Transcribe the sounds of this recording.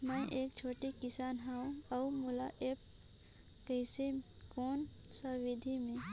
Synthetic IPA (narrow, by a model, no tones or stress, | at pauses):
mə̃ʔeːkt͡ʃʰoːʈikɪsaːnɦaũɐumʊlaʔeːp̚ | kəɪse | koːn | səʋɪd̪ʱimẽ